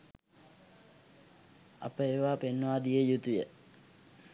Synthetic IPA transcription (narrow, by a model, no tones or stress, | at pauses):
a̰pəeʋaːpenːəʋaːd̪ijejut̪ujə